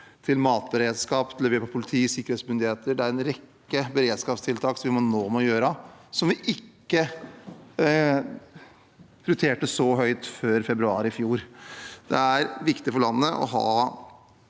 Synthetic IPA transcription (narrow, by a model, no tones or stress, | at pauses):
t̪ʰɪlmɑːt̪̚bəɾeːd̪skɑːpt̪ʰlɛʋeːɾpʰɔpʰʊlɪt̪ʰiːsɪkːəɾheːsmʏnd̪ɪheːt̪əɖɛæɾɛnɾɛkːəbəɾeːd̪skɑːpst̪ʰɪlt̪ʰɑːksɔmʋɪmnoːmɛɔjøːɾəsɔmʋɪʔɪkːə | ɾʉt̪ʰeːʈəsɔɦœʏt̪føːɾfɛbɾʉɑːɾɪfjuːɾd̪̥ɛæɾʋɪkt̪ɪfɔɭɑnːəʔɔ̰ɦɑ̰ː